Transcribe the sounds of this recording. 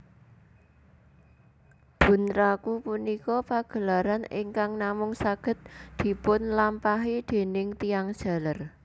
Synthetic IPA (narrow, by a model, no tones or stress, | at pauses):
b̥ṳnɾakupunikɔpaɡ̥ə̤laɾanɪ̰ŋkaŋnamʊŋsaɡ̥ə̤t̪̚d̪̥i̤pʊnlampaɦid̪̥e̤nɪŋt̪ijaŋ̥ʒ̥a̤lər